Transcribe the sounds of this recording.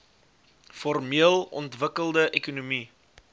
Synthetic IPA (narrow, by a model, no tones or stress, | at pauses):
fɔrmiəlˠɔ̰ntvəkəlˠdəʔɛkunumi